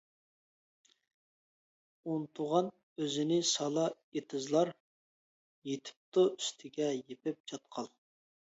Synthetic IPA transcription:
unt̪ʰʊʁɑn | øzɪnɪsɑlˠɑ | et̪ʰɨzlˠɑɾ | jet̪ʰp̚t̪oyst̪ʰɪɡʲɛjepɪp̚t͡ʃʰɑt̪̚qʰɑlˠ

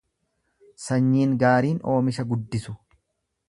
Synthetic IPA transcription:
sɐɲːiːŋɡaːɾiːno̞ːmɪʃɐɡʊd̪ːɪsʊ

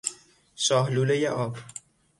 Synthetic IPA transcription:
sɒːɦluːlejeʔɒːb

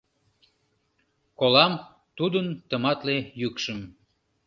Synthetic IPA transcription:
kolɑm | t̪ud̪ənt̪əmɑt̪lejykʃəm

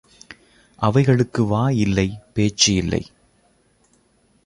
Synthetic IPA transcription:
ʔɐʋɐɪɣɐɭɯkːɯʋaːjɪlːɐɪpeːt͡ʃːɐjɪlːɐ̰ɪ

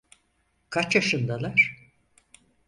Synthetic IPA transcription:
kʰat͡ʃaʃɯnd̪alˠaɾ̥

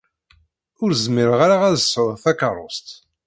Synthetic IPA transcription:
ʊɾzmiɾəʁaɾaʁæðəsːəɾθækərˤost̪

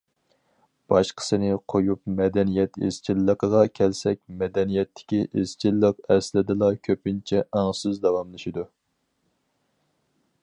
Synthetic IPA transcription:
b̥ɑʃqʰə̥sɨnɪqʰojupmɛd̪ɛnijɛt̪ḛz̥t͡ʃʰilːəqəʁɑkʲʰɛlsɛk̚ʲmɛd̪ɛnijɛt̪ʰːɪ̥kʲiʔez̥t͡ʃʰilːəqɛslɪd̪ɨlˠɑkʲʰøpɪnt͡ʃʰɛʔæŋsɨzd̪ɑwɑmlˠɨʃid̪u

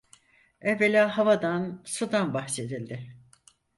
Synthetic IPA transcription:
ɛvelʲaːɦavad̪ansud̪anbahse̞d̪ilʲd̪ɪ

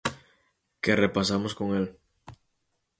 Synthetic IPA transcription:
kerepasamosko̞ŋel

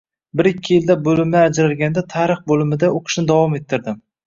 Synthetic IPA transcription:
bɪɾɪkʲʰːɪjɪld̪abolɪmaad͡ʒɾalɡʲand̪at̪ʰaɾɨχbolɪmɪd̪aoqʰɨ̥ʃnɪd̪avɒmet̪ʰːɪɾd̪ɪm

